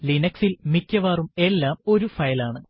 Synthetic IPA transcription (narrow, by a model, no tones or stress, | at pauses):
linɐksilmikʲːɐʋaːrume̞lːaːmo̞ɾufɐjɐlaːɳɨ